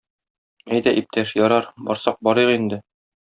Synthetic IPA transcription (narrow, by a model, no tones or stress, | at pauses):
æjd̪æʔip̚t̪ʰæʃjɒɾɑɾbɒɾsɑq̚bɒɾɤʁind̪ɘ